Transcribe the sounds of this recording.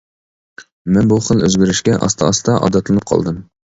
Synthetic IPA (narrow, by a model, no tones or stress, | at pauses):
mɛnbuχəlˠø̰zɡʲyɾyʃkʲɛʔɑ̰st̪ʰɑɑst̪ɑʔɑ̰d̪ɑt̪lˠɨnɨp̚qʰɑ̰lˠd̪ɨm